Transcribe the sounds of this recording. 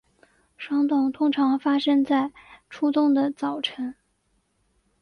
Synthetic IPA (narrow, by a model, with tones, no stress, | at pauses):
ʂwɑ˥ŋt̪ʊ˥˩ŋt̪ʰʊ˥ŋʈ͡ʂʰɑ˧˥ŋfa˥ʂə˥ŋt͡sa˥˩ɪʈ͡ʂʰu˥t̪ʊ˥˩ŋd̪ə˨˩t͡sɑ˨˩ʊʈ͡ʂʰə˧˥n